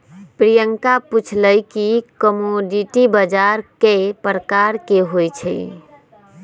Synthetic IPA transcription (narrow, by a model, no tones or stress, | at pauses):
pɾijəŋkaput͡ʃʰləjkikəmoɖiʈibəd͡ʒaɾkepɾəkaɾkeɦojt͡ʃʰɛ̰